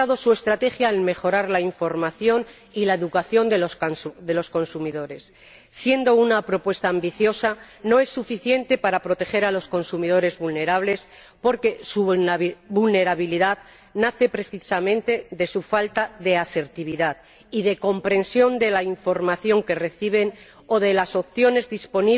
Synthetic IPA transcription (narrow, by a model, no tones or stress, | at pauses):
aðo̞sue̞st̪ɾat̪e̞xjaelme̞xo̞ɾaɾlaiɱfo̞ɾmaθjo̞n | ilae̞ðukaθjo̞nd̪elod̪e̞lo̞sko̞nsumiðo̞ɾe̞sː | je̞nd̪o̞unapɾo̞pwe̞st̪aːmbiθjo̞sa | no̞e̞sːufiθje̞nt̪e̞paɾapɾo̞t̪e̞xe̞ɾalo̞sko̞nsumið̞o̞ɾe̞zβulne̞ɾaβle̞s | po̞ɾke̞subulne̞ɾaβ̞iliðað | naθe̞pɾe̞θisamẽnt̪e̞ðe̞sufalt̪aðe̞ase̞ɾt̪iβ̞iðað | ið̞e̞ko̞mpɾe̞nsjo̞nd̪e̞laiɱfo̞ɾmaθjo̞ŋke̞re̞θiβ̞e̞n | o̞ðe̞laso̞pθjo̞ne̞zðispo̞ni